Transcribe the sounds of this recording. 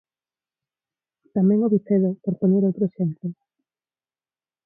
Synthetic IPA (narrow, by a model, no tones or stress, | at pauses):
t̪amɛ̃ŋoβiθeðopoɾpoɲeɾowt̪ɾoʃemp̪e